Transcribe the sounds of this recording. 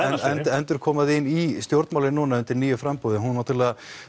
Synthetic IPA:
ɛnɛnt̪ɛnt̪ʏɾ̥kʰɔːmaðɪnːist̪jowɾt̪mawlɪnunaʏnt̪ɪɾniːjʏfɾampuðɪɦunːat̪ʰɪɾlɛːɣa

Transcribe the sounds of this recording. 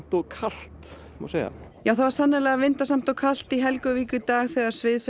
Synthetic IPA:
m̥t̪ɔɣkʰal̥t̪ | mɔ̰seːjɣa̰jaːwθavaɾ̥sanːaɛlɛɣavɪnt̪asam̥t̪ɔkʰal̥t̪iɦɛlkʏviːkʏt̪aːɣθɛːɣaɾ̥svɪðs

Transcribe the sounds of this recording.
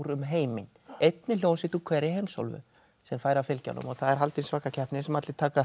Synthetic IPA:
ɾʏmɦeːjmɪnejt̪nɪljownsɪt̪ukʰvɛːɾɪhejmsɔ̰lvʏ̰ | sɛmfaːjɾafɪlca̰nʏ̰mɔɣθaðɛɾ̥ɦalt̪ɪnsvaːkacʰɛhpnɪsɛmat̪lɪt̪ʰaːka

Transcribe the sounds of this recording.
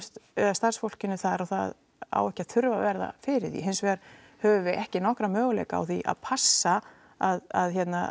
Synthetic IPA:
st̪st̪arsfowl̥cɪnʏθaɾawθa̰ð | a̰wɛhcːaðθʏɾvavɛɾða̰fɪɾɪɾθḭɦɪnsvɛɾ̥ | hœːvʏvɪɛhcɪnɔhkɾamœːɣʏlḛjka̰ːwθiʔa̰ðpʰasːa | aða̰ðçjɛt̪na

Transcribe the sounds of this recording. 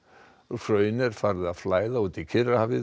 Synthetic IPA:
fœːɥnɛɾ̥faːɾðɪðaðflaːjðauːt̪ɪcʰɪrahavɪ

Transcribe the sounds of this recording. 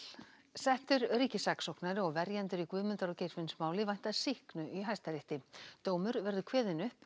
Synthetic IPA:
sɛht̪ʏɾɾiːcɪsaksowknaɾʏɔɣvɛɾjant̪ʏɾikvʏːðmʏnt̪aɾɔwcejɾvɪnsmaːwlɪvajn̥t̪aðsɪhknʏʔiɦajst̪aɾɪht̪ɪt̪oːwmʏɾvɛɾðʏkʰvɛːðɪnʏhp

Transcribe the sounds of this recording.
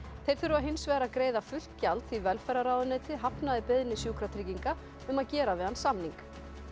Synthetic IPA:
θejɾ̥θʏɾʏaðɦɪnsvɛːɾakɾeːjðafʏl̥t̪calt̪θivɛlfɛɾaɾaːwðʏneːt̪ɪɦapnaðɪpɪðnɪsjuːkɾat̪ʰɾiːciŋka | ʏmaðcɛːɾavɛðansamniŋk

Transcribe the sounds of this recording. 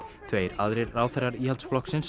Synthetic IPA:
t̪ʰveːjɾaðɾɪɾːaːwθɛraɾiːhalt̪splɔksɪns

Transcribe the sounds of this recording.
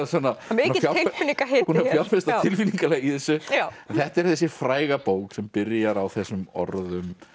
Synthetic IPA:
sanːanafjaeɪnĩŋkaɦehunaffjḁfɪst̪att̪ʰɪlfiniŋkaleɣiθɛsːʏaɛnθɛht̪ɛɾ̥θɛs̬ɪfɾaːjɣapoːwksɛmpɪɾjaɾawθɛsʏmɔ̰ɾðʏm

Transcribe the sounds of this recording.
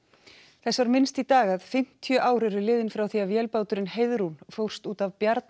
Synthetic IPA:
θɛsvaɾmɪnst̪it̪aːɣaðfɪm̥t̪ʰjœːʔaːwɾɪɾʏlɪːðɪnfɾaːwθiavvjɛːlpaːwt̪ʏɾɪnhejðɾunfowr̥st̪uːt̪avpjaɾt̪n

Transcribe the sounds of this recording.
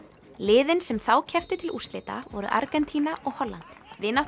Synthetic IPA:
lɪːðɪnsɛmθawcʰɛft̪ʏt̪ʰɪlust̪lɪːt̪a̰vɔɾʏ̰ʔa̰ɾkɛnt̪ʰiːnaʔɔɣhɔlːa̰nt̪vɪnaw

